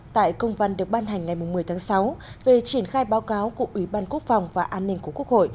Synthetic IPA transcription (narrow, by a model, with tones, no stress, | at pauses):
t̪a̰ː˧˨jkə˧wŋ͡mvə˧nɗɨ˨˩ək̚ɓaː˧nɦa˨˩jŋ̟ŋa˨˩jmʊ˨˩ŋ͡mmɨ˨˩əjt̪ʰaː˨˦ŋsa˨˦wve˨˩t͡ɕi˧˩ənxaː˧jɓaː˨˦wkaː˨˦wku˧˩əʔwi˧˩ɓaː˧nku˦˥ək̚fa˨˩wŋ͡mvaː˨˩ʔaː˧nːï˧ŋ̟ku˧˩əku˦˥ək̚ho̰˧˨j